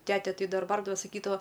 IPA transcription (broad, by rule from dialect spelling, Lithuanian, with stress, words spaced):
ˈtʲæːtʲɛ ˈtɐɪ ˈdɐr ˈbɐrdɐʋɐ sɐˈkʲiːdɐʋɐ